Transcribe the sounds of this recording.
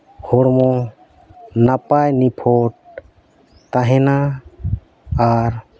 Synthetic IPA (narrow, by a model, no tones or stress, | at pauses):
hoɽmɔ̃ | napajnipʰoʈ̚ | t̪aɦɛna | aɾ